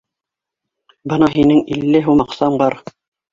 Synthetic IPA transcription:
bɤ̆nɑɦinɘŋilːɘɦʉmɑqsɑmbɑɾ

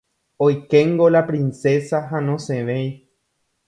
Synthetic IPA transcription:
ojkeŋɡolapɾĩnse̞saɦanõ̞sẽʋej

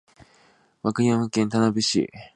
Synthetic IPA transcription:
βakɯɲʲãmakẽnt̪anabɯ̟ɕḭ

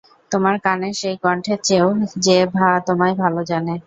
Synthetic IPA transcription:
t̪omaɾkaneʃejkɔɳʈʰet͡ɕeod͡ʑebʱat̪omajbʱalod͡ʑane

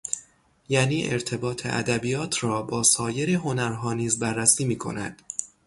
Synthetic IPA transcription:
jæːniːʔe̞ɾt̪ʰe̞bɒːt̪ʰḛʔæ̰d̪æbiːjɒːt̪ʰɾɒːbɒːsɒːje̞ɾeɦo̞næɾɦɒːniːzbærːæsiːmiːkʰo̞̰næ̰d̪̥

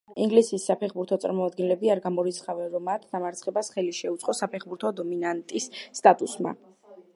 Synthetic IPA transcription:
iŋɡlisisːapʰɛχbuɾt̪ʰɔt̪sʼa̰ɾmɔad̪̚ɡɛnlɛbiaɾɡamɔɾit̪sʰχavɛnɾɔmːat̪ʰd̪amaɾt̪sʰχɛbasχɛliʃɛut̪sʼqʼɔsapʰɛχbuɾt̪ʰɔd̪ɔminant̪ʼisːt̪ʼat̪ʼusma̰

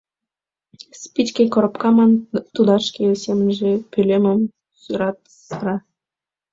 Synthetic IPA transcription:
spʲit͡ɕkekoɾopkɑmɑnt̪ud̪ɑʃkesemənʒepylʲeməm | syɾɑt̪ | sɾɑ

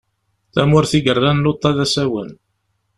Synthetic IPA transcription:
θæmʊɾθiɡərˤːænlot̪ˤːɑðæsæwən

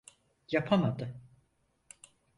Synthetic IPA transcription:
japʰamad̪ɯ

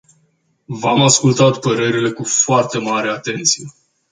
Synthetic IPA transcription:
vamaskult̪at̪pəɾe̞ɾile̞kufoart̪e̞maɾe̞at̪e̞nt̪sije̞

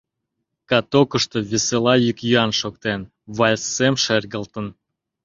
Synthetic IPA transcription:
kɑt̪okəʃt̪o̽βeselɑjykjyɑnʃok̚t̪en | βɑlʲsemʃerɣəlt̪ən

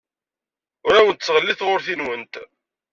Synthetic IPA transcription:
ʊɾawənt̪sːʁəlːiθʁʊɾθinwənt̪

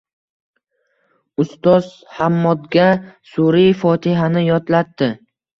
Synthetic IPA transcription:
ʊst̪ɒz | hamːɒd̪ɡʲasuɾijfɒt̪ʰɪɦanɪjɒt̪lat̪ːɪ

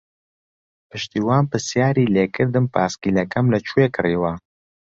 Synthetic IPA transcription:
pɨʃt̪iːwaːnpɨsjaːɾiːleːkɨɾd̪ɨmpʰaːskiːlɐkɐmlɐt͡ʃʰuekɨriːwɐ

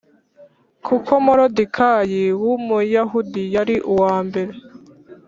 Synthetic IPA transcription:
kʰukʰo̞moɾodikʰajiwumujaɦudijaɾiʔuwaːmbe̞ɾe

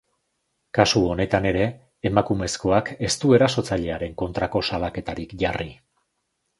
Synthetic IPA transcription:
kasuo̞ne̞t̪ane̞ɾe̞ː | makume̞sko̞ake̞st̪ue̞ɾaso̞t͡saʎe̞aɾe̞ŋko̞nt̪ɾako̞salake̞t̪aɾikʝari

